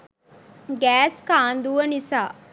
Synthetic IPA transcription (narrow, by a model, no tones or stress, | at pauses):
ɡæːskaːnd̪uʋənisaː